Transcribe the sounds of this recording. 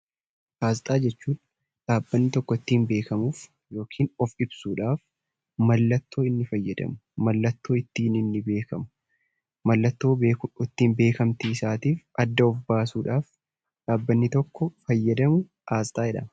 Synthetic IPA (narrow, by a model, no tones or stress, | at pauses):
ʔaːzt̪ʼaːd͡ʒɛt͡ʃːuːᶑɐ̥ | ᶑaːbːɐnːɪt̪ɔkːɔɪt̪ːiːmbe̞ːkɐmuːf | jo̞ːkʰiːnɔfɪbsuːᶑaːf | mɐlːɐt̪ːo̞ːɪnːɪfɐjːɐd̪ɐ̰mʊmɐlːɐt̪ːoːɪt̪ːiːnɪnːɪbe̞ːkɐmʊ | mɐlːɐt̪ːo̞ːbeːkʊɪt̪ːiːmbe̞ːkɐmt̪iɪsaːt̪iːfɐd̪ːɐɔfbaːsuːᶑaːf | ᶑaːbːɐnːɪt̪ɔkːɔfɐjːɐd̪ɐmʊ | ʔaːzt̪ʼaːɛᶑɐ̰mɐ